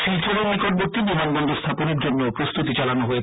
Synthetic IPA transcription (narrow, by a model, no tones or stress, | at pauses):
ʃilt̪ʰoɾobikoʈ̚boɾ̚t̪ibib̪ʱanbɔnd̪ʱost̪ʰaponeɾd͡ʑonːeopɾost̪ut̪it͡ɕalanoɦoe